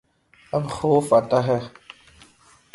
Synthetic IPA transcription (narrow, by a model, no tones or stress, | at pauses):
ɐbxoːfat̪aɦɛ